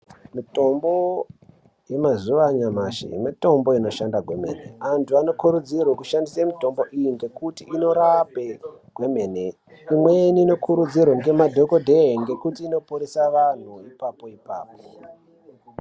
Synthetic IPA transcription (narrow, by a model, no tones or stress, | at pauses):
mito̞mbo̞ | je̞mazuʋaɲamaʃḭmito̞mbo̞ino̞ʃandaɡʱwe̞mḛːnḛantʰuano̞kuɾud͡zirwekuʃandisamito̞mbo̞ʔijiŋɡe̞kutiino̞ɾape̞ɡ̥we̞me̞ne | imweniːno̞kʰuɾud͡zirweŋɡe̞madʱoko̞dʱeiŋɡe̞kutiːno̞puɾesaʋan̤uipapo̞ipa̰ːpo